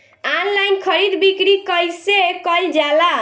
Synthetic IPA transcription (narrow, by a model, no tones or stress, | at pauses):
anlajnkʰəɾid̪bikɾikəjsekəld͡ʒala